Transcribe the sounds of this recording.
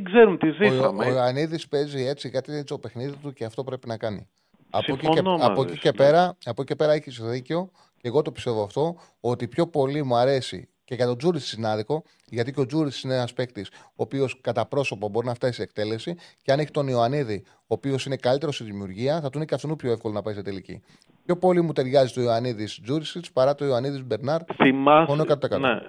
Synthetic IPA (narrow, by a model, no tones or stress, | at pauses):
ɡzeɾumt̪izisɐoioɐniðispe̞zie̞t͡siɣɐt̪ist̪ope̞xniðit̪uceɐft̪o̞pɾe̞pinɐkɐnḭ | ɐ̰sofieɐpoiepeɾɐɐpocice̞pe̞ɾɐeçisoðiceo̞ | ceɣo̞t̪o̞pi̥st̪e̞voɐft̪o̞ | ot̪ipço̞po̞limuɐɾe̞sḭ | ce̞ɣɐt̪od͡zuɾissinɐðiko̞ | ʝɐt̪iceo̞d͡zuɾit͡ssineɐspe̞kt̪iso̞ːpio̞skɐt̪ɐpɾo̞so̞pɐbo̞ɾinɐft̪ɐsie̞k̚t̪e̞le̞siceɐneçi̥t̪o̞nioɐniði | o̞ːpio̞sine̞kɐlit̪e̞ɾost̪iðimiuɾʝiɐθɐt̪oinecɐft̪onupçoefko̞lonɐpɐist̪ɐt̪elicḭ | pço̞po̞limut̪e̞ɾʝɐzit̪oioɐniðisd͡zuɾisispɐɾɐt̪o̞ioɐniðizbe̞ɾnɐɾθimɐonnoekɐt̪oɐekɐt̪e